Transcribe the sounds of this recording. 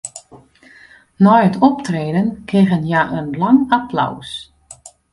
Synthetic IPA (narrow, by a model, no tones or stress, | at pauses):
nɔjətʰɔptreːdənkɪɣənjaʔənlaŋapla̰ws